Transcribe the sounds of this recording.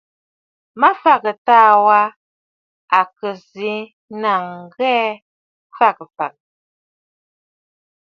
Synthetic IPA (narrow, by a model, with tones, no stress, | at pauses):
ma˦fa˦˨kə˨taː˦˨wa˦ | a˨kə˨zi˨˦ | na˨ŋ̩˨ɡɛ˦ | fa˦˨kə˨fa̰˨k̚